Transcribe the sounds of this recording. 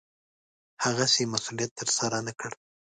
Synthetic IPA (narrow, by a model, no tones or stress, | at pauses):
haɣasemasulijat̪ːəɾsaɾanakəɽ